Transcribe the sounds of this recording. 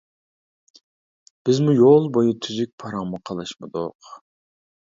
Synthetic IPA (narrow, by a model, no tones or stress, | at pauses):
b̥ɪzmujolˠbojut̪ʰyzyk̚ʲpʰɑɾɑŋmʊqʰɑlˠɨʃmɨd̪ʊ̰q